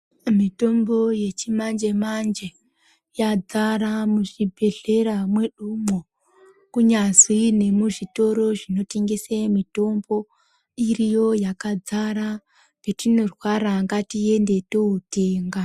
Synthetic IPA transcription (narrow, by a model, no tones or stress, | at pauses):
mito̞mbo̞je̞t͡ʃimand͡ʒe̞mand͡ʒe̞ | jad͡zaɾamuʐibʱe̞ɮe̞ɾamwe̞ɗumo | kuɲazwine̞muʐito̞ɾo̞ʐino̞te̞ŋɡesemito̞mbo̞ | irijo̞jakad͡zaɾa | petino̞rwaɾaŋɡatie̞nde̞touteːŋɡa